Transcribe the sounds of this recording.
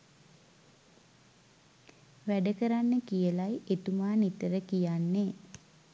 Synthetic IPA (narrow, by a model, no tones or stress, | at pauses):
ʋæɖəkəɾanːəkijəlajet̪umaːnit̪əɾəkijanːeː